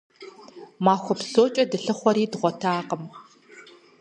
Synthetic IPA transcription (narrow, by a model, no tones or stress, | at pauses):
maːxʷɔpsoːt͡ʃʼɐdɨɬɨχʷɔɾiːdʁʷɔtʰaːqəm